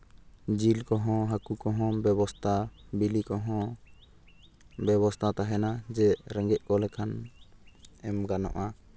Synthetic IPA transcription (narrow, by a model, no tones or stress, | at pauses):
d͡ʒilkɔɦɔ̃ɦakukɔɦɔ̃bɛβɔst̪ʰabilikɔɦɔ̃ | bɛβɔst̪ʰat̪aɦɛnad͡ʒɛʔɾɛŋɡɛʔ̚ˀkɔlɛkʰan | ɛmɡanɔ̰ʔa